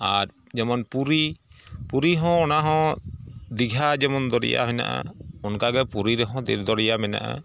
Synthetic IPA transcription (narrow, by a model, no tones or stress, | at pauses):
aɾd͡ʒɛmɔnpuɾipuɾiɦɔ̃ɔnaɦɔ̃ | d̪iɡʱad͡ʒɛmɔnd̪ɔɾḭja̰ɦɔjna̰ʔa̰ɔnkaɡɛpuɾiɾɛɦɔ̃d̪iɾd̪ɔɾijamɛna̰ʔa̰